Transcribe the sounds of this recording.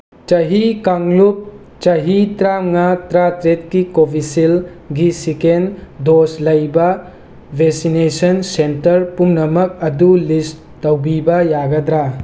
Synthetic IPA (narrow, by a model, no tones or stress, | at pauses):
t͡ʃɐɦikɐŋlup̚ | t͡ʃɐɦitɾaŋatɾatɾet̚kikobʱisil | ɡisikendoslɐjbɐ | bʱeksinesɐnsentɐɾpumnɐmɐk̚ɐdulis | tɐwbibɐjaɡɐdɾa